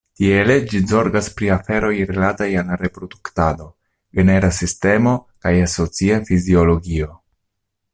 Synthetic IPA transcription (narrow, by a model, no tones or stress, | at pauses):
tie̞le̞d͡ʒizo̞ɾɡaspɾiafe̞ɾo̞jɾelatajalɾe̞pɾo̞duktado̞ | ɡe̞ne̞ɾasiste̞mo̞kajaso̞t͡siafizio̞lo̞ɡio̞